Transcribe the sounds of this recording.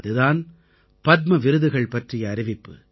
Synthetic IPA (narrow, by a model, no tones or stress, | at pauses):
ðɯðaːn | pɐd̪mɐʋɪɾɯðɯɣɐɭpɐʈrɪjɐːɾɪʋɪpːɯ̰